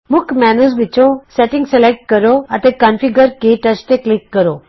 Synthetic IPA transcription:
mʊkmɛːnuzʋɪt͡ʃõseːʈɪ̃ŋɡsɛlek̚ʈ̚kɐɾoɐt̪ẽkanfiɡəɾkeːʈɐʃt̪eklɪkːəɾoː

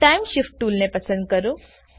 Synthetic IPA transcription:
ajmʃifʈʈːuːlnepɐsə̃nd̪̚kəɾũ

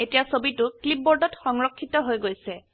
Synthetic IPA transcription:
etijasobitʊklip̚bɔɹdɔtxɔŋɹɔkʰːitɔɦojɡojsɛ

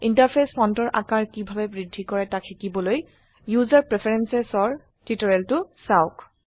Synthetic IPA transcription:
intaɹpʰespʰɔntɔɹʔa̰kaɹkibʱabɛbɹidʱːikɔɹɛtakʰːikibɔloj | juzaɹpɹepʰɛɹɛnsɛsɔɹ | titɔɹɛltʊsaʊk

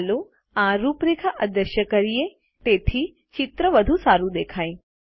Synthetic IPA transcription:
lo | ãɾuːpɾikʰaʔɐd̪əʃjəkəɾije | t̪et̪ʰi | t͡ʃɪt̪ɾəʋəd̪ʱusaɾud̪eːkʰaj

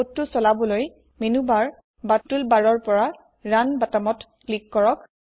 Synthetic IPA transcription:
otːusɔlabɔloj | menubaɹ | batːulbaɹɔɹpɔɹa | ɹanbatamɔtklikːɔɹɔk

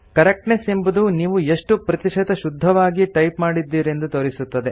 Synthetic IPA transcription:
kɐɾek̚ʈnesembud̪uniːʋueʂʈupɾɐt̪iʂɐt̪ɐʃud̪ʱːɐʋaːɡiʈɐjpmaːɽid̪ːiːɾe̞nd̪ut̪oɾisut̪ːɐd̪e̞

